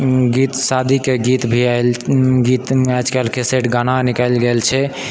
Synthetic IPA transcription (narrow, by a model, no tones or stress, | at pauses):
ɡit̪sad̪ʱikeɡit̪bʱialɡit̪ɛt͡ʃkelkʰeseʈɡananikəlɡelt͡ʃʰɛ